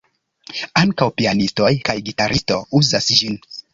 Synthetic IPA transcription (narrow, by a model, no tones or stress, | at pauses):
aŋkawpianisto̞jkajɡitaɾʔisto̞̰uzasd͡ʒin